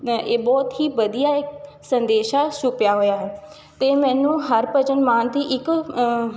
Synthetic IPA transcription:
eːbɔːt̪ɦiːʋəd̪ijaːɪk | sənd̪eːʃaːʃʊpjaːɦoːjaːɦɛː | t̪eːmɛ̃ːnũːɦəɾpəd͡ʒənmaːnt̪iːʔɪk

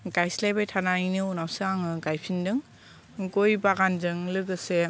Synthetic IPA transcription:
ɡajslajbajtʰanaɾinɯunawsɯaŋɯɡajpʰindɯŋ | ɡojbaɡanzɯŋlɯɡɯse

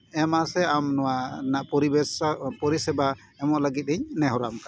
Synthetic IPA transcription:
ɛmasɛamnɔwanaʔpɔɾibɛspɔɾisɛba | ɛmɔʔləɡit̪̚iɲnɛɦɔɾamka

